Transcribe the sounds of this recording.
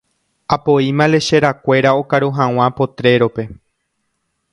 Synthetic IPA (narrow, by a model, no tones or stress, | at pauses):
apo̞imãle̞ʃe̞ɾakʷe̞ɾao̞kaɾuɦãw̃ãpo̞t̪ɾe̞ɾo̞pe̞